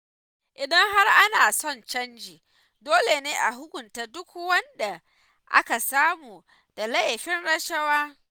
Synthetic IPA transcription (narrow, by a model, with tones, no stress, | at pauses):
ʔɪ˨dɐ˦ŋɦa˦rʔa˦naː˨sɔ˦˨nt͡ʃɐ˦nd͡ʒiː˨ | doː˦le˨neː˦ʔa˨ɦʊ˦kʷʊ˨nta˦˨dʊ˦kwɐ˦nda˨ | ʔa̰˦ka˨saː˦muː˨ | d̥a˨lɐ˦jɸɪ˦nɽɐ˦ʃɐ˦waː˦